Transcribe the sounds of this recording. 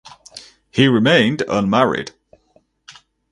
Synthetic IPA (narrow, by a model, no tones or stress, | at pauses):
hiɹɪmẽɪ̃ndʌ̰̃nmaɹɪ̰d̥